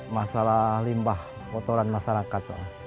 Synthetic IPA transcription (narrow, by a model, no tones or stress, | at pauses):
masalahlimbah | pɔt̪oɾanmasaɾakat̪̚la̰